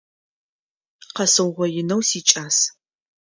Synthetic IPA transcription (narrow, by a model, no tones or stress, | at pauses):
qɐsɨwʁʷɔjɪnɐwsiːt͡ʃʼaːs